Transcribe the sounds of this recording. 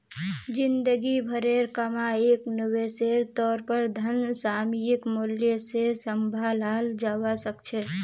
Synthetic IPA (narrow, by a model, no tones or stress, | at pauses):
d͡ʒɪ̃nd̪əɡibʱəɾeɾkəmaeːknəweseːɾt̪ɔːɾpəɾd̪ʱənsaːmijɪkmʊljəsesəmbʱaːlaːld͡ʒaːwasəkt͡ʃʰɛ